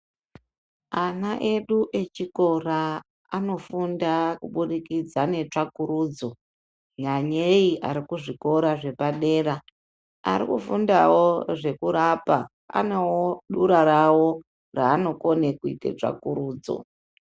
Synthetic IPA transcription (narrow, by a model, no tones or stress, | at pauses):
anaʔe̞ɗuʔe̞t͡ʃiko̞raː | no̞fundakuɓuɗikid͡zane̞t͡ʂakuɾuːd͡zo̞ | ɲaɲeiʔaɾikuʐiko̞ɾaʐe̞paɗe̞ːra | a̰ɾikufundawoʐe̞kuɾapa | a̰newoɗuɾaɾawo̞ | raːno̞ko̞nekuitḛt͡ʂa̰kuɾuːd͡zo̰